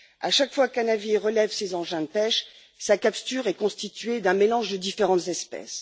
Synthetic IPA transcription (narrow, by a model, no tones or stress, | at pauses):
aʃakfwakanaviʁəlɛvsezɑ̃ʒɛ̃d̪əpɛʃ | sakapst̪yʁɛkɔ̃st̪it̪ɥed̪ɛ̃melɑ̃ʒd̪əd̪ifeʁɑ̃t̪zɛspɛ̰s